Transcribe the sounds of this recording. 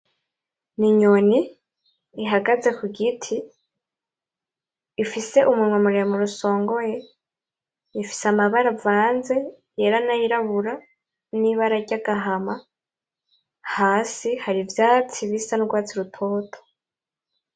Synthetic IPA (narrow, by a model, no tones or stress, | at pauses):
niɲoniː | ɦaɡaze̞kuɡitʰi | fise̞ʔumuɾŋwemuɾemuɾuso̞ːŋɡo̞je | ifi̥samaβaɾavaːnze̞ | je̞ɾanajiɾaβuɾa | niβaɾaɾɟaɡaɦama | haːsihaɾivjaːt͡siβisanuɡwaːt͡siɾutʰo̞ːtʰo̥